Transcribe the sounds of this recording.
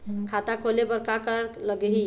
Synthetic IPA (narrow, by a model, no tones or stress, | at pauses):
kʰat̪akʰolebəɾkakəɾləɡɦi